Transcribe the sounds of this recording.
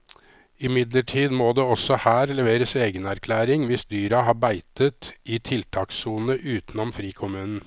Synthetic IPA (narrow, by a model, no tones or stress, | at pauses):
ɪmɪd̪ləʈʰiːd̪moːd̪eːɔsɔhæːɾlɛʋeːɾəseːɡənæɾkʰlæːɾɪŋʋɪsd̪yːɾɑɦɑːbæɪt̪ət̪ɪt̪ʰɪlt̪ʰɑːksuːnəʔʉːt̪n̩ɔmfɾiːkʰʊmʉːnn̩